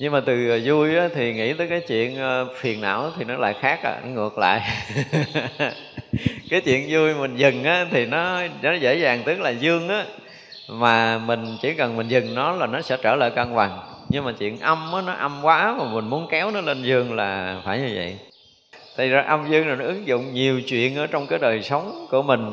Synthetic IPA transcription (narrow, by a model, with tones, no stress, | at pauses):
ɲɨ˧ŋmaː˨˩t̪ɨ˨˩˨zu˧jʔaː˨˦t̪ʰi˨˩ŋḭ˧˥t̪əː˨˦jkaː˨˦jt͡ɕwḭ˧˨ənː˧fi˨˩ənːa̰ː˧˨wʔaː˨˦t̪ʰi˨˩nɔ˨˦la̰ː˧˨jxaː˦˥k̚ʔa̰ː˧˨˦ŋɨ˨˩ək̚la̰ː˧˨j | kaː˨˦jt͡ɕwḭ˧˨ənzu˧jmï˨˩ŋ̟zɨ˨˩ŋʔaː˨˦t̪ʰi˨˩nɔ˨˦nɔ˨˦zḛ˧˥zaː˨˩ŋt̪ɨ˦˥k̚laː˨˩zɨ˧əŋʔaː˨˦ | maː˨˩mï˨˩ŋ̟t͡ɕi˧˩˦kə˨˩nmï˨˩ŋ̟zɨ˨˩ŋnɔ˨˦laː˨˩nɔ˨˦sɛ̰˧˥t͡ɕəː˧˩lə̰ː˧˨kə˧nka˨˩ŋɲɨ˧ŋmaː˨˩t͡ɕwḭ˧˨ənʔə˧mʔaː˨˦nɔ˨˦ʔa˧mkwaː˨˦maː˨˩mï˨˩ŋ̟mu˨˦ənkɛ˨˦wnɔ˨˦le˧nzɨ˧əŋlaː˨˩faː˧˩jɲɨ˧və̰˧˨j | t̪ʰa˨˧˩jzaː˨˩ʔa˧mzɨ˧əŋlaː˨˩nɔ˨˦ʔɨ˨˦ŋzʊ̰˧˨ŋ͡mɲi˨˩əwt͡ɕwḭ˧˨ənʔəː˧˩t͡ɕɔ˧wŋ͡mkaː˨˦jɗəː˨˩jsə˨˦wŋ͡mku˧˩əmï˨˩ŋ̟